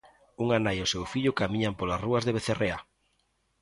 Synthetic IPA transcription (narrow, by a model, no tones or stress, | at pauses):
uŋanajʊsewfiʎʊkamĩɲampolasruazðeβeθerea